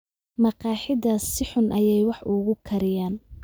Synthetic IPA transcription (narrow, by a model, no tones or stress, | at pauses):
mɑqɑːħɪdɐsɪħʊnʔɐjɛjwɑħʔʊɣʊkʰɐɾɪjaːn